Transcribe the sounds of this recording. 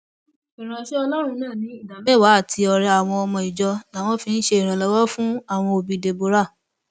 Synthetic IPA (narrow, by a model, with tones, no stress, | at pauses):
i˨ɾ̃ã˨ʃe˦ɔ˧lɔ˦ɾ̃ũ˧nãː˦˨nĩ˨˦i˦˨da˨mɛ˦˨wa˨˦a˦˨tʰi˧ɔ˧ɾɛ˧a˦˨w̃ɔ̃˧ɔ˧mɔ̃˧i˨d͡ʒɔ˧la˨˦w̃ɔ̃˦fĩ˧n̩˦ʃe˧i˨ɾ̃ã˨lɔ˧˦wɔ˦fũ˦a˦˨w̃ɔ̃˧o˧bi˨de˨bo˨˦ɾa˦˨